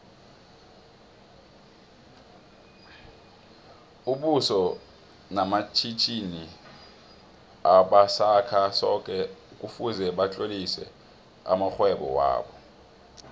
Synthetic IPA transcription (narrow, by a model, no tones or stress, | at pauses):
uɓusɔ | namat͡ʃʰit͡ʃʰʼini | aɓasakʰasɔk̬ʼɛk̬ʼufuzɛɓat͡ɬʼolisɛ̰ | a̰maxwɛɓɔ̰wa̰ːɓɔ